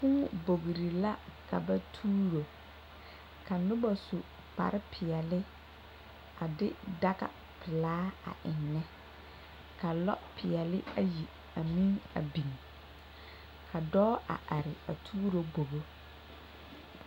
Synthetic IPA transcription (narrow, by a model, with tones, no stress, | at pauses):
fũ˦bo˨ɡɾi˨la˦ka̰˨ba˦tʰuː˦ɾo˨ | kʰa˨nʊ˦ba˨sʊ˨ | pa̰˨ɾɪ˦pʰɪ˨ɛ˨lɪ˦ | a˨dɪ˦da˦ɡa̰˨ | pʰɪ˨laː˦a̰˨ʔɪ˨nːɛ˦ | kʰa˨lɔ̰˦pʰɪ˨ɛ˨lɪ˦a˦ji˨ | a˨mĩ˦ŋa̰˨bĩ˨ŋ | kʰa˨dɔː˦ʔa̰˨ʔa˨ɾɪ˨a˨tʰuː˦ɾo˦bo˨ɣo˦